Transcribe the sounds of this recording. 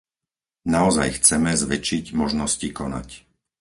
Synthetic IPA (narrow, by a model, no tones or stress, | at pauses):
naɔza̰jxt͡sɛmɛzʋɛt͡ʃiɟmɔʒnɔscikɔna̰c